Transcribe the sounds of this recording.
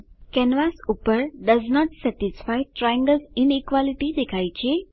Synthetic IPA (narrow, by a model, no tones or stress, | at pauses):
kɛnʋasupəɾɖəznɔʈsɛʈisfajʈɾajə̃ŋɡəlzinikʋaliʈid̪ekʰajt͡ɕe